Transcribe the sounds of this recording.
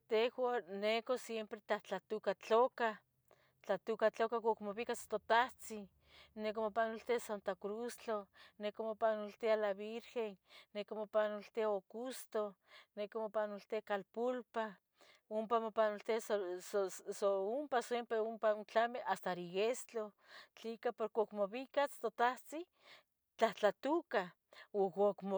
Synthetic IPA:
t̪ehwanekosjempɾet̪at͡ɬat̪ukat͡ɬoka | t͡ɬat̪ukat͡ɬokakokmoβikast̪ot̪aht͡si | nek̬omopanolt̪iasant̪akɾust͡ɬonekomopanolt̪ialaβiɾxenːekomopanolt̪iaokust̪onekomopanolt̪eakalpulpa | ompamopanolt̪iasossoumpasempeumpaunt͡ɬameʔast̪aɾiɣest͡ɬo | t͡ɬikapoɾkeokmoβikat͡st̪ot̪aht͡si | t͡ɬaht͡ɬat̪uka | okokmo

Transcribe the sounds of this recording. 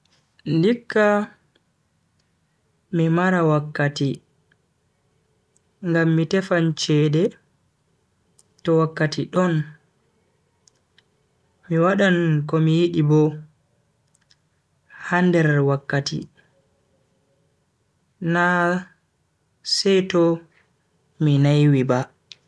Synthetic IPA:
ndikːa | mimaɾawakːati | ŋɡamːitɛfant͡ʃɛːɗɛ | tɔwakːatiɗɔn | miwaɗankɔmijiɗibɔ | handɛɾwakːatḭ | a | sɛjtɔ | minajwiba

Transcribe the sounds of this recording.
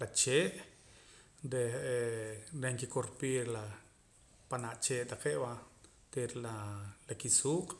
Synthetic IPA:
lat͡ʃeːʔ | ɾeeɾeŋkikoɾpiːɾla | panaʔt͡ʃeːʔt̪aqeʔwa | t̪iɾlalakisuːqʼ

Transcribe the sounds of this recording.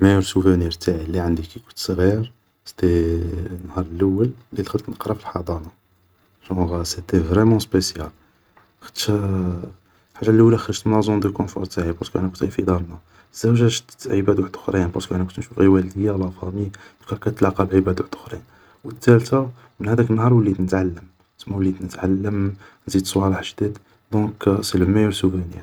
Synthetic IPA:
mæjəɾsuvəniɾt̪aʕiliʕənd̪ikiku̥t̪sɣiɾ | si̥t̪e | nhɑɾˤəlːəwːəlːilxəd̪t̪nəqɾˤɑfilħɑd̪ˤɑɾnɑ | ʒɑ̃ʁsit̪evʁɛmɑ̃spesjæl | xə̥d̪ʃ | ħaʒːalːəwːlæxɾʒt̪mnæzɔ̃d̪əkɔ̃fuɾˤt̪aʕipɑɾskʔæ̰nækʊnt̪fid̪ɑɾˤna | z̥ːæwʒæʒt̪ʕəbæd̪waħd̪ə̥xɾijnpɑɾˤskʔænækʊnt̪nʃufɣiwæld̪əjːalɑfɑmid̪kækæt̪lɑqɑbʕəbæd̪waħd̪əxɾḭjn | wət̪ːælt̪æ | mənhæd̪ækənːhɑɾˤwəlːit̪nət̪ʕalːəm | səmːæwəlːit̪nət̪ʕalːəm | zid̪sˤwɑləħʒd̪id̪ | d̪ɔ̃ksilmæjəlsuvænəja

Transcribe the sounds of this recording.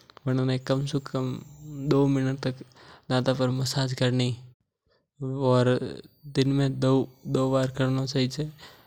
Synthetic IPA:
ʋəɳənẽkəmsukəmd̪oːmɪnəʈ̚t̪əkd̪aːt̪apəɾməsaːd͡ʒkəɾɳi | ɔːɾd̪ɪnmẽd̪od̪oːʋaːɾkəɾnot͡ʃʰəit͡ʃʰe

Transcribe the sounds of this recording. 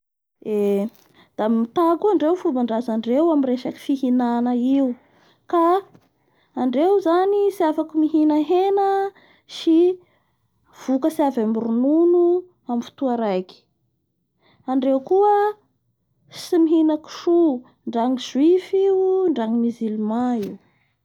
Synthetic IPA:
e | d̪̥amit̪akuaɳɖ͡ʐewfumaɳɖ͡ʐazaɳɖ͡ʐewamireʃaki̥fiɦinanəiu | kaː | ɳɖ͡ʐewzanisiafakumiɦinaɦenə | si | v̥ukəsiavamiɾununu | amifi̥t̪uaɾajki̥ | aɳɖ͡ʐewkuə | simiɦinaku̥ʃu | ɳɖ͡ʐaŋiz̥wifiwuɳɖ͡ʐaŋimizilimaiw

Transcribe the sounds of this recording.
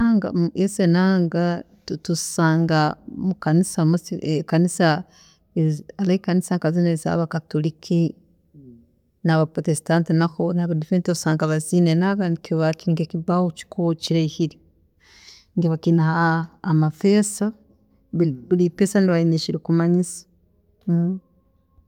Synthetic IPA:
aŋɡa̰esenaːŋɡa | tusaːŋɡamukanisamuskanisa | ealaikanisaŋkaziːneisa̰βakatolikʰi | naβapɾotesitaːntenaxonaβadifeːntosaːŋɡaβazinenaβankʰiβakiiŋɡekibawot͡ʃi̥kot͡ʃiɾaihiɾi | ŋɡeβakinahaːmafesa | βulipesaniβaineʃiɾikumaɲisḁ

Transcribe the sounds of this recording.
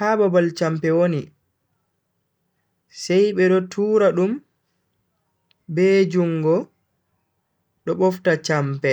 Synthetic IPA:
hababalt͡ʃampɛwoni | sɛjɓɛɗɔtʰuːɾaɗum | bɛːd͡ʒuŋɡɔ | ɗɔɓɔftat͡ʃampɛ

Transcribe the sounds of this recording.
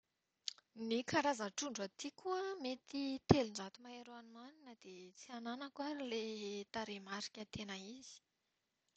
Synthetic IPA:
nikʰaɾazaʈ͡ʂuɳɖ͡ʐat̪ikʰuəmet̪it̪elund͡ʒat̪umaeɾoanimaninəd̪̥et͡siananakwaɾilet̪aɾemaɾi̥kʲət̪enaiz̥i̥

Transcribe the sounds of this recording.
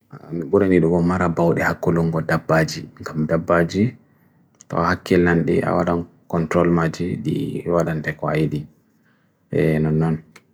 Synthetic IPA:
miɓuɾaniɗɔɡɔmaɾabawɗɛhakːuluŋɡɔdabːad͡ʒiŋɡamdabːad͡ʒi | tɔ̰hakːɛlanɗɛ̰ʔa̰waɗan | kɔntɾɔlmad͡ʒiɗḭwaɗantɛkɔajɗi | ɛnɔnːɔn

